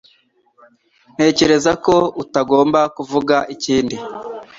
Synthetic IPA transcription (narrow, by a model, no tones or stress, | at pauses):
n̥he̞ːce̞ɾe̞zako̞utaɡo̞ːmbakuvuɡaʔiciːndi